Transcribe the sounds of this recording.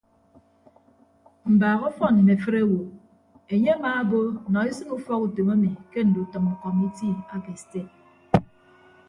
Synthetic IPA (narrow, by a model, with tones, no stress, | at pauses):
m̩˨baː˨ɣɔ˦fɔ˦ni˨ne˨fɨ˦ɾe˦wo˨ | e˨ɲe˦a˦maː˨˦bo˦˨nɔ˨i˦sɨ˦ŋu˦fɔ˦ku˨to˨ma˦mi˨ke˦n̩˨du˨tɨ˨mu˨kɔ˨mi˦ti˦a˨ke˨ste˦˨